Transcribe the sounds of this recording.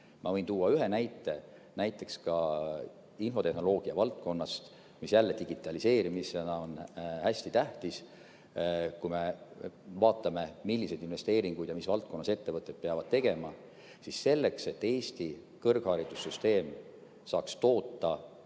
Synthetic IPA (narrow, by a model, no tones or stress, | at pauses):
mʔɑvɤ̞jnt̪uːɑyɦe̞næjt̪ːˑe̞næjt̪ːˑe̞kskɑ | info̞t̪e̞hno̞lo̞ːɡ̥iɑvɑlt̪̚ko̞nːɑst̪ | misjælːed̪iɡ̥it̪ːˑɑlise̞ːɾimisenɑo̞nhæsʲt̪it̪æht̪is | kujme̞ | vɑːt̪ːˑɑme̞milːise̞d̪inve̞st̪e̞ːɾiŋɡ̥ujd̪̥jɑmisvɑlt̪̚ˑko̞nːɑse̞t̪ːe̞vɤt̪ːˑe̞t̪̚peɑvɑd̪̥̚t̪e̞ɡ̥e̞mɑ | sisːe̞lːe̞kse̞t̪ːe̞ːst̪i | kɤrɡ̥hɑːɾid̪̥usːyst̪e̞ːm | sɑːkst̪o̞ːt̪ːɑ